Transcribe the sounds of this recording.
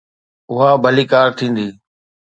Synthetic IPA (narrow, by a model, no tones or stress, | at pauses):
ʊɦaːbʱəliːkaːɾt̪ʰĩːnd̪iː